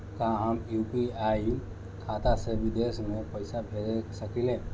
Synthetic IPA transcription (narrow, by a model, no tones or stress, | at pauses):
kãɦəmjuːpiaːu | kʰaːt̪aseʋɪd̪eːsmẽpəɪsabʱed͡ʒesəkilẽ